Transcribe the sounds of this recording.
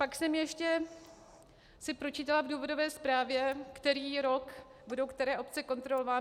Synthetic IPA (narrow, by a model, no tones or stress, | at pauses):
paksɛmjɛʃcɛ | sɪpɾo̞t͡ʃiːt̪alavduːvo̞do̞vɛːspɾaːvjɛkt̪ɛɾiːɾo̞k | budowkt̪ɛɾɛːʔo̞pt͡sɛko̞nt̪ɾolovaː